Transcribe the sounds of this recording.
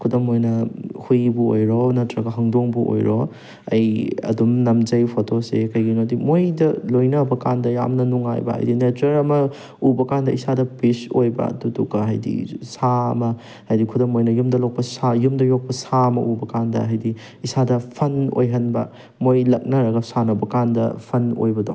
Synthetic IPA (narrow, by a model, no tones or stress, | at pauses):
kʰudɐmojnɐhujbuo̰jɾonɐtɾɐɡɐɦɐŋdoŋbuʔo̰jɾo̰ | ɐjɐ̰dumnɐmd͡ʒɐjpʰotʰosekɐjɡinodimojdɐlojnɐbɐkandɐja̰mnɐnuŋa̰jbɐ̰ɦɐ̰jdinetɾɐɾɐmɐ | ubɐkandɐisadɐpisojbɐ̰tutukaɦɐjdḭsaɐ̰mɐ | hɐjdikʰudɐŋmojnɐjumdɐlok̚pɐsajumdɐjok̚pɐsaɐmɐ̰ʔubɐkandɐ̰ɦɐjdi | isadɐpʰɐno̰jɦɐnbɐ̰ | mojlɐk̚nɐɾɐɡɐsanɐbɐkandɐ̰pʰɐno̰jbɐdo̰ŋ